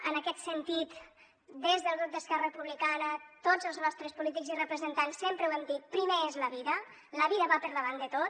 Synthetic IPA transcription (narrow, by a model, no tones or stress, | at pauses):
ənəkɛt̪sənt̪it̪ | d̪ezðəlˠɣɾup̚d̪əskɛrərəpuβlikanət̪ozəlˠznɔst̪ɾəspulit̪̬iɡzirəpɾəzənt̪ansːempɾəwɛmd̪it̪̚pɾimeezləβiðə | ləβiðəβapəɾðəβand̪ət̪o